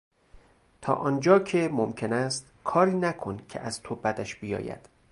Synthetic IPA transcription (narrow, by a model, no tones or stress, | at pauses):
t̪ʰɒ̰ːʔɒːnd͡ʒɒːcʰe̞momcʰe̞næst̪kʰɒːɾiːnækʰo̞ncʰe̞̰ʔæz̥t̪ʰobæd̪æʃbijɒ̰ːjæ̰d̪̥